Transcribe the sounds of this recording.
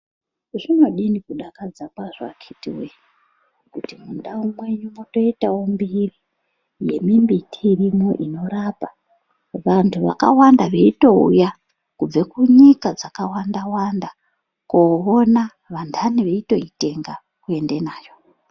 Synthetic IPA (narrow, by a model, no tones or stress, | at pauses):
ʐino̞ɗinikuɗakad͡zakwaʐa̰kʰitiwej | kutimunɗaumwe̞ɲumuto̞itawombiri | je̞̰mimbitʰiːrimoʔino̞ɾapa | ʋantʰuʋa̰ka̰wandaʋe̞ito̞ṵja | kub͡vekuɲikad͡zakawandawanda | koona | ʋandʰʱaniʋe̞ito̞ite̞ŋɡa | kue̞nde̞naːjo̞